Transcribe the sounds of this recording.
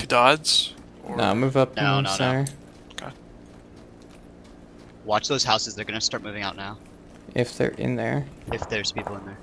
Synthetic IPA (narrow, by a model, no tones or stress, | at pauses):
tʰɨdɑdz̥ | no̰ʊamʉvʌpnonooʊnə˞ | kʰa | wɑt͡ʃðoʊz̥haʊsɨzðə˞ɡʌnɨstɑɹt̚mʉvɪ̃ŋaʊtⁿnaʊ | ɪfðə̰˞ʔɪ̰̃nðə̰˞ɪfðə˞z̥pʰipl̩ˠə̃nðə˞